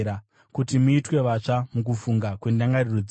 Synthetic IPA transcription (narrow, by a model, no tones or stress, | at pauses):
ɾa | kutimuitwe̞ʋat͡ʂamuk̬ufuŋɡakwendaŋɡarirud͡z